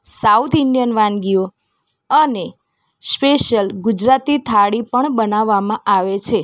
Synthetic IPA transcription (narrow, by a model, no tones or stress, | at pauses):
saut̪ʰɪɳɖijənʋãnɡio | əne | speʃəlɡʊd͡ʒɾat̪it̪ʰaɽipəɳbənaʋːamãʔaʋet͡ʃʰe